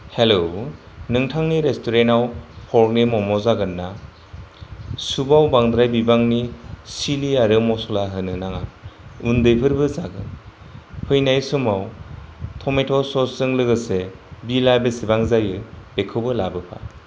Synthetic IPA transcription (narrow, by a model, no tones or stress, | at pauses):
helo | nɯŋtʰaŋniɾestʰuɾenawpʰɔɾk̚nimɔmɔzaɡɯnːa | subawbaŋdɾajbibaŋnisiliaɾɯmɔsɔlaɦɯnɯnaŋaundɯjpʰɯɾbɯzaɡɯ̰n | pʰɯjnajsumawtʰɔmetʰɔsɔsɯŋlɯɡɯsebilajbesibaŋzajɯb̥ekʰɯbɯlabɯpʰa̰